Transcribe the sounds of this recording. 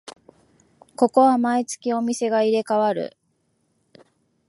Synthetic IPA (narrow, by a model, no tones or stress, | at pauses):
ko̞ko̞βamait͡sɨ̥kʲio̞mʲise̞ɡaiɾe̞kaβaɾɯ̟̰